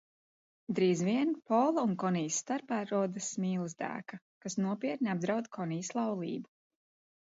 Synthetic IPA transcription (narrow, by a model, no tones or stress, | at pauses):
d̪ɾiːzviɛnpɔːlˠaunkɔnijsːt̪aɾpaːɾuɔd̪ɨsmiːlˠɨzd̪æ̰ːka | kasnuɔpiɛt̪̚ʲnʲab̚d̪ɾawd̪kʰɔniːslˠɑwlˠḭːbu